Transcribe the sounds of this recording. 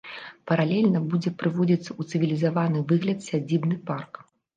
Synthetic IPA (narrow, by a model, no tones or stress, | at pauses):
pɐɾalʲɛlʲnɐbud͡zʲɛpɾɨvɔd͡zʲit̪sːɐut̪sɨvʲilʲizavanɨvɨɣlʲɐt̪sʲad͡zʲibnɨpark